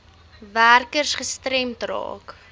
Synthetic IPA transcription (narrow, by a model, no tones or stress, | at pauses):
værkərsχəstrɛmtrɑ̰ːk